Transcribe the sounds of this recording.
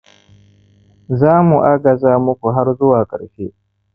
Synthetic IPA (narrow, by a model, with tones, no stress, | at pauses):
zaː˦mu˨ʔa˦ɡɐ˨zaː˦mʊ˦kʷu˨ɦa˦ɾzʊ˦waː˨kʼɐ̰˨ɽɸeː˦